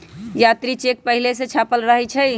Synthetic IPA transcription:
jat̪ɾit͡ʃek̚pəɦileset͡ʃʰapəlɾəɦɛt͡ʃʰɛj

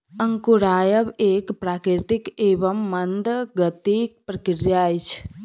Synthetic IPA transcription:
əŋkuɾaːjəbeːkpɾaːkɾɪɾt̪ɪkeːʋəmːɐnd̪ɡət̪ik̚pɾɐkɪɾjaːjt͡ʃʰ

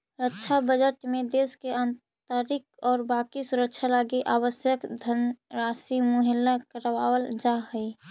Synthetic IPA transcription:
ɾətːʃʰabəd͡ʒəʈmẽd̪eskeən | t̪aɾɪk̚ɔːɾbaːkisuɾək̚t͡ʃʰalaɡiʔaːwəsjəkd̪ʱənɾasimʊɦɪlːakəɾəwawəld͡ʒaɦəi

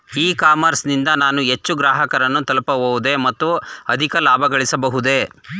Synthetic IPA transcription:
iːkaːmɐɾsnind̪ɐnaːnuɦe̞t͡ʃːuɡɾaːɦɐkɐɾɐnːut̪ɐlpɐʋoʋud̪e̞mɐt̪ːuɐd̪ʱikɐlaːbʱɐɡɐɭisɐbɐɦud̪e̞

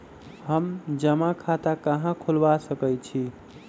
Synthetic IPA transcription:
ɦəmd͡ʒəmakʰat̪akəɦãkʰulbasəkəjt͡ʃʰi

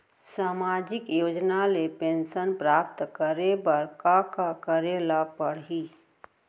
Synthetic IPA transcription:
saːmaːd͡ʒɪkjoːd͡ʒnalepẽːnʃənpɾaːpt̪kəɾebəɾkakakəɾelapəɽɦiː

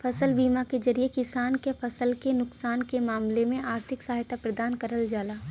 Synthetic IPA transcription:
fʰɐsəlbiːmaked͡ʒɐɾiekɪsaːnkepʰɐsəlkenʊksaːnkemaːmlemẽaːɾt̪ʰɪksaɦjt̪ʰapɾɐd̪aːnkɐɾəld͡ʒaːlaː

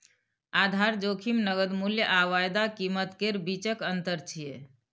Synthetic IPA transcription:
ad̪ʱaɾd͡ʒokʰimnəɡəd̪muljəʔaʋajd̪akimət̪keɾbit͡ʃəkənt̪əɾt͡ʃʰije

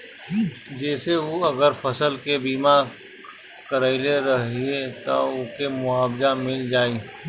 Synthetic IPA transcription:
d͡ʒɛːseʋoɐɡəɾfɐsəlkebiːma | kəɾəɪleɾɐɦiet̪a̰ʊkemʊaːbd͡ʒamɪld͡ʒaːiː

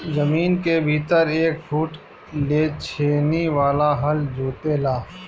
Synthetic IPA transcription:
zəmiːnkebʱiːt̪əɾeːk̚fʰuːʈ | leːt͡ʃʰeːneʋaːlaɦɐld͡ʒʱoːt̪elaː

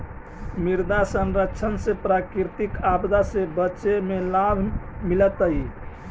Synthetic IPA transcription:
miɾd̪asənɾəkt͡ʃʰənsepɾakiɾt̪ikabd̪asebətːʃemelabʱmilət̪əi

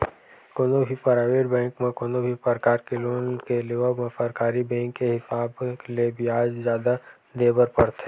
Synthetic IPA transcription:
konobʱipəɾaːʋeːɖbɛ̃ːŋkmẽkonobʱipəɾkaːɾkeloːnkeleːʋəmẽfəɾkaːɾibɛ̃ːŋkːeɦɪsaːbklebiaːd͡ʒzjaːd̪a | d̪eːbəɾpəɾt̪ʰe

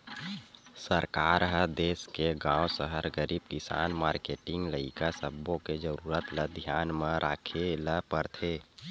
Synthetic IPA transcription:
səɾkaːɾɦəd̪eːskeɡãːwsəɦəɾɡəɾiːb̚kɪsa̰ːnmaːɾkeːʈɪ̃ŋɡləɪkasəbːõked͡ʒəɾuːɾət̪ləd̪ʱjaːnmẽɾʔaːkʰeləpəɾt̪ʰeː

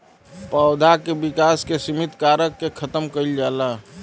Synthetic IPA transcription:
pəʊd̪ʱakebɪkaːskesɪmɪt̪kaːɾəkːekʰət̪əmkəid͡ʒaːla

